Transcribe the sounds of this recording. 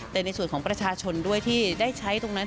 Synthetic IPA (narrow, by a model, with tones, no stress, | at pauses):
t̪ɛː˨˩na˧jsu˨˩ənkʰɔː˩˦ŋpɾa˧t͡ɕʰaː˧t͡ɕʰo˧ndu˥˩əjt̪ʰiː˥˩daː˥˩jt͡ɕʰa˦˥jt̪o˧ŋna˦˥